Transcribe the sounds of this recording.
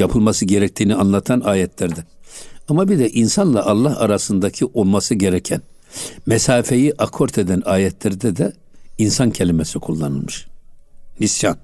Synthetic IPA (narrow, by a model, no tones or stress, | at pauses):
japʰɯlˠmasɯɟeɾɛc̚t̪ʰiːnianlˠat̪ʰanaːjɛt̪ʰlʲæɾd̪ɛamabid̪ɛʔinsanlˠaʔalˠːahaɾasɯnd̪acʰiʔo̞lˠmasɯɟeɾɛcʰɛn | mɛsaːfe̞jiʔakʰo̞ɾt̪ʰed̪ænaːjɛt̪ʰlʲæɾd̪ɛd̪ɛ | insancʰe̞lʲimɛsikʰulˠːanɯ̰lˠmɯʃː | isjan